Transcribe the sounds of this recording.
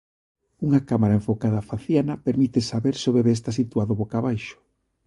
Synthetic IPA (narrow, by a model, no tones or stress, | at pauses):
uŋakamaɾaeɱfokaðafaθjanɐpeɾmit̪esaβeɾsɪoβeβees̬t̪asit̪uaðʊβokaβajʃʊ̥